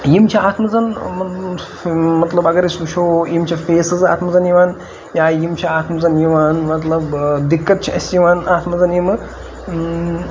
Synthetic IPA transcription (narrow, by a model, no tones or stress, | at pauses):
jimt͡ʃʰiaːt̪ʰmɐzɐnmɐ | mɐt̪lɐbɐɡɐɾisuʃʰoːjimt͡ʃʰɐfeːsɨza̰ːt̪mɐzɐnjiʋaːn | jaːjimt͡ʃʰiaːt̪ʰmɐzɐnjiʋaːnmɐt̪lɐbd̪ikːɐt̪̚t͡ʃʰiɐsʲjiʋaːnaːt̪ʰmɐzɐnjimɨ